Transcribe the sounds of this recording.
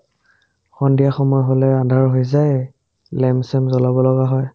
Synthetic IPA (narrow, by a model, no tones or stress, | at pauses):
xɔndiaxɔmɔjɦɔlɛadʱaɹɦojzaj | lɛmsɛmzɔlabɔlɔɡaɦɔj